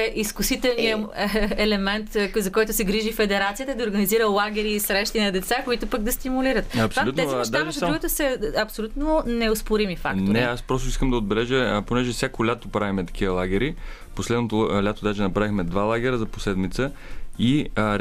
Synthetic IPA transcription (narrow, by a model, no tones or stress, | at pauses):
ɛʔiskʊsit̪ɛlˠniəɛlɛmɛnt̪zɐkɔjt̪ʊsɛɡɾiʒifɛd̪ɛɾat̪sijət̪əd̪ɐoɾɡɐniziɾəlˠaɡʲɛɾiːsɾɛʃt̪inɐd̪ɛt̪sakoit̪ʊpəɡ̚d̪ɐst̪imuliɾət̪ɐsaut̪ɛiʃd̪aʒɾuɡt̪əsəɐpsolʲut̪nonɛʊspʊɾimifa̰konɾɛaspɾɔst̪oʊiskəmd̪ɐod̪̚bɛlɛʒəponɛʒɛfsʲjakolʲat̪opɾavimɛt̪ɐ̥k̟iəlˠaɡʲɛɾi | poslɛd̪not̪olʲat̪od̪aʒɛnɐpɾavixmɛd̪valˠaɡʲɛɾəzɐpo̥slɛd̪mit̪səi